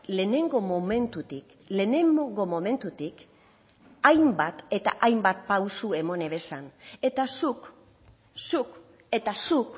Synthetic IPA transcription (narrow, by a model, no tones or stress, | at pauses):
le̞ne̞ŋɡo̞mome̞nt̪ut̪ik | le̞ːne̞ŋoŋɡo̞mo̞me̞nt̪ut̪ik | ajmbat̪e̞t̪a̰ʔajmbat̪̚pawsue̞mo̞ne̞βe̞sane̞t̪asuk | suk | e̞t̪asuk